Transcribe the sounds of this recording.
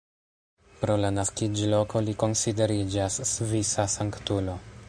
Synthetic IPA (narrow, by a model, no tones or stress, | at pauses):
pɾo̞lanaskid͡ʒlo̞ko̞liko̞nside̞ɾid͡ʒasːvisasaŋktulo̞